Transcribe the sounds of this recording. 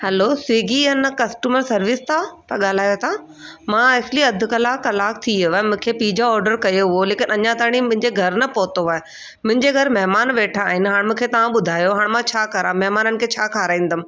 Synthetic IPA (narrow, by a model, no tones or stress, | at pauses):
hɛlosiːɡiənɐkɐsʈuːməɾsɐɾʋɪst̪ʰapɐɠaːl̤aːjot̪ʰa | mãesliɐd̪ʱʊ̆kɐlaːkːɐlaːk̚t̪ʰiʋaːmʊ̃ːkʰepiːd͡ʑaɔːɾɖəɾkɐjoɦʊoleːkɪnɐɲãt̪aːɽ̃imʊ̃ɦɪ̃ɲd͡ʑeɡʱɐɾnɐpoːt̪oaːe | mʊ̃ɦɪ̃ɲd͡ʑeɡʱɐɾmɛɦmaːnʋeːʈʰaːɦɪnɪ̆ɦaːɽ̃mũːkʰet̪ɐʋãɓʊd̪ʱaːjoɦaːɽ̃mãt͡ɕʰaːkɐɾãmɛɦmaːnənɪ̆kʰeːt͡ɕʰaːkʰaːɾaːĩːn̆d̪əm̆